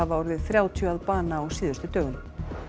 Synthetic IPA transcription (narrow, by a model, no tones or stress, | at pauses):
avaɔɾvɪðθɾjaːwt̪ʰjʏaðpaːnaɔwsiːðʏst̪ʏt̪œːɣʏn